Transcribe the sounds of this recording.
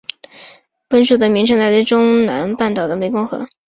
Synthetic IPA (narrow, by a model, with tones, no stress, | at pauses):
pə˥nʂu˥˩d̪ə˩mi˧˥ŋʈ͡ʂʰɤ˧˥ŋt͡s̪a˥˩ɪə˥ʈ͡ʂʊ˥ŋna̰˧˥npa˥˩nt̪ɑ˨˩ʊd̪ə˦me˧˥ɪkʊ˥ŋxɤ̰˧˥